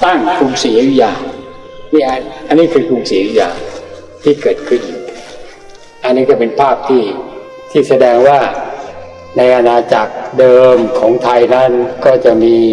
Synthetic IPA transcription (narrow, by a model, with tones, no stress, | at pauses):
t̪a˥˩ŋkʰuː˧msiː˩˦ju˧˩jaː˧˩ | ni˥˩a˧ʔa˧nːiː˦˥˩kʰɯː˧kʰuː˧msiː˨˩˦ju˧jaː˧˩ | t̪ʰiː˥˩kɤː˨˩t̪̚kʰɯ˥˩nʔiː˨˩k̚ | ʔa˧nːiː˥kɔː˥˩pe˧npʰaː˥˩p̚t̪ʰiː˥˩ | t̪ʰiː˥˩sa˧dɛː˧ŋwaː˥˩ | na˧jʔa˧naː˧t͡ɕa˨˩k̚dɤː˧mkʰɔː˩˦ŋt̪ʰa˧jna˦˥˩nkɔː˥˩t͡ɕa˨˩miː˧